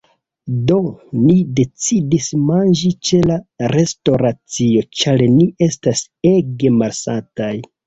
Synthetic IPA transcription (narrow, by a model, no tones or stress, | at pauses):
do̞nide̞t͡sidismand͡ʒit͡ʃe̞laɾe̞sto̞ɾat͡sio̞t͡ʃaɾniʔe̞stas | e̞ɡe̞malsantaj